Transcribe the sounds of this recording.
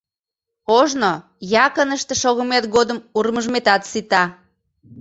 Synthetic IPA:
oʒno | jɑkənəʃt̪ĕʃoɣəmet̪ɣod̪əmurməʒmet̪ɑt̪sit̪ɑ

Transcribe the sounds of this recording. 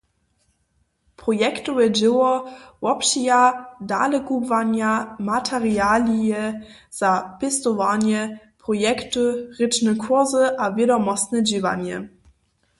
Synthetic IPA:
pʁɔjɛktujɛd͡ʑɪwɔwɔpɕijadalɛkuvaɲamatʰɛʁialʲiɛ | z̥apʲɛst̪ɔvaɲɛ | pʁɔjɛktuʁɘt͡ʂnɛkʰuzəʔavʲjɛdɔmɔst̪nɛd͡ʑiva̰ɲɛ̰

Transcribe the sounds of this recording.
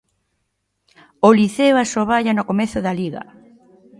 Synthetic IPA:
oliθeoasoβaʎanʊkomeθʊðaliɣɐ̰

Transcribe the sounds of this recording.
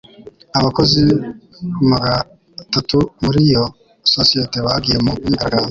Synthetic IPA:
aβako̞zi | kumaɡa | tatumuɾijo̞ | sosije̞teβaɡijemuiɡaɡaːndo

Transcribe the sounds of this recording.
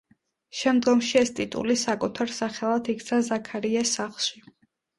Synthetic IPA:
ʃɛmd̪ɡɔmʃiɛst̪ʼit̪ʼṵlisakʼut̪ʰaɾsaχɛlˠat̪ʰikʰt̪sʰazakʰaɾiɛsaχlˠʃi

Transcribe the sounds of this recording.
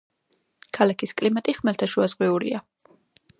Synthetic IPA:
kʰalakʰiskʼlimat̪ʼiχmɛlt̪ʰaʃuazʁwiuɾḭa

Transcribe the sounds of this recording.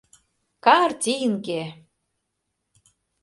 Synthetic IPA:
kɑrt̪ʲijənke

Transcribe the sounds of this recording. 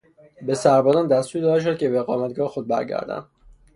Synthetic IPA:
be̞sæɾbɒːzɑːnd̪æst̪uːɾd̪ɒːd̪eʃ̬od̪̚cʰʲe̞beɣɒːmæt̪̚ɡɒːhexod̪̚bæ̰ɾɟæ̰ɾd̪æ̰nd̪

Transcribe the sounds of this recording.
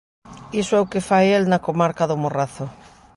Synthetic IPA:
isoɛʊkefajelnakomaɾkaðʊmoraθʊ

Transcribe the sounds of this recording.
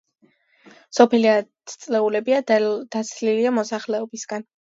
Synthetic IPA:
sɔpʰɛlia | t̪sʼlɛulɛbiad̪̥asʰliliamɔsaχlɛɔbisɡ̥an

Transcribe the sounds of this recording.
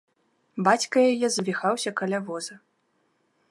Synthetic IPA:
bat͡sʲkɐjajɛzvʲixawsʲɐkɐlʲavɔzɐ

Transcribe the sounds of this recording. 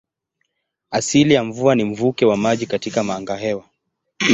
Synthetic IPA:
asilijaɱvuanim̩vukɛwamaʄikatikamaːŋɡaɦɛwa

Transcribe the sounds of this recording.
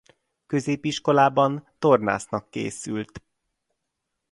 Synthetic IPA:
kø̞zeːpiʃko̞laːbɒnt̪o̞rna̰ːsnɒkːḛːsylt̪

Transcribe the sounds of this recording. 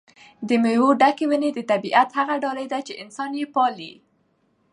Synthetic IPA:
d̪əmewoɖakewəned̪ət̪abiʔat̪haɣaɖɑlajd̪at͡ʃeʔɪnsɑnjepɑlḭ

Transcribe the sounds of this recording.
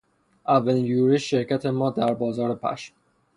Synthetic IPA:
ʔævːælinjuːɾiʃʃe̞ɾkcʰæt̪ʰemɒːd̪æɾbɒːzɒːɾepʰæ̰ʃm

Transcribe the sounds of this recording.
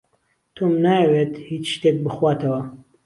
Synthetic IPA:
t̪ʰomnaːjɐweːt̪hiːt͡ʃʃt̪eːk̚bɨxwaːt̪ɐwɐ

